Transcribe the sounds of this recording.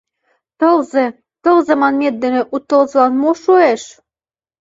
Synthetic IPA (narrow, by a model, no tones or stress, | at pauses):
t̪ɤlzĕ | t̪ɤ̆lzɑmɑnmet̪̚d̪ːɘ̆nĕʔut̪ːɤ̆lzɤ̆lɑnmoʃoeʃ